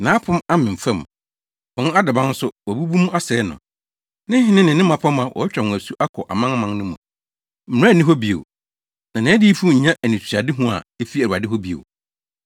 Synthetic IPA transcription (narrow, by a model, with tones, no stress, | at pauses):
nãː˨˦pʰʊ̃˦ma˦mɪ̃˨m̩˨fɛ̃˦˨m˨ | wɔ˨nʊ̃˦a˦dɪ˨bã˦n̩˦sʊ˦wɔ˨bu˦bu˦mũ˦a˦sɛ˨˦nʊ̰̃˨ | nɪ̃˦ɦɪ̃˦nɪ̃˦nɪ̃˨nɪ̃˦mã˨pʰã˦mã˨wʔɔ̰˨ɛ˦t͡ɕᶣɾɛ˨nʊ̃˨æ˨su˦ʔa˦kʰɔ˨ʔa˨mã˦ŋ˦mã˨ŋnʊ̃˦mũ˨ | m̩˨ɾa˦˨nĩ˦ɦɔ˦bi˨o̰˨ | nã˨nɪ̃˨˦di˦fu˦ɲ̩˨ɲã˦ʔæ˨nĩ˨sʰa˨dɪ˦ɦʊ̃˦a̰˨e˦fi˦æ˨ɾu˨a˨dɪ˦ɦɔ˦bi˨o̰˨